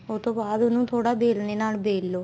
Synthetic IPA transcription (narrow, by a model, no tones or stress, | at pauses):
ʊt̪õːbaːd̪ʊnũːt̪ʰoːɽaːbeːlneːnaːlbeːlːoː